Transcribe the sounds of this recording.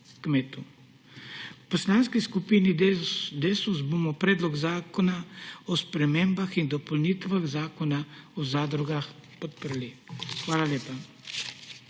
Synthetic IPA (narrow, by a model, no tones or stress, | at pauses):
kmeːt̪u | pɔslaːnskiskupiːnid̪esusboːmɔpɾɛːd̪lɔɡzaːkɔnaɔspɾɛmeːmbaxind̪ɔpɔlniːt̪ʋaɣzaːkɔnaɔzaːd̪ɾuɡax | pɔt̪̚pəɾlixʋaːlaljeːpa